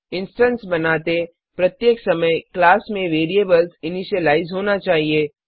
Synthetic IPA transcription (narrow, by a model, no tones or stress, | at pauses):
ɪ̃nsʈənsbɐnaːt̪e | pɾɐt̪jeːksɐməjklaːsmẽʋeːɾieːbəlsɪniʃəlaːɪzɦoːnat͡ʃaːɦieː